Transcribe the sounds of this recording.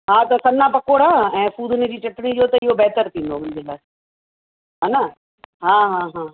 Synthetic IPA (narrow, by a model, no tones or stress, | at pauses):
ɦaːt̪ɐsɐnnapɐkoːɽaːɛ̃ːfuːd̪ɪned͡ʑiːt͡ɕɐʈɽ̃id͡ʑoːt̪ɐɪɦobɛɦt̪əɾt̪ʰĩːnd̪oʋɪ̃nzɪlaː | ɦaːnɐ | ɦãːɦãːɦãː